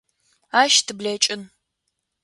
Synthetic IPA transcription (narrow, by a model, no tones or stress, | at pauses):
aːʃtʰɨblɐt͡ʃʼɪn